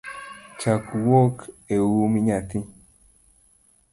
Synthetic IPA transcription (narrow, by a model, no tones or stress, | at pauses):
t͡ʃakuwokewumiɲat̪ĩ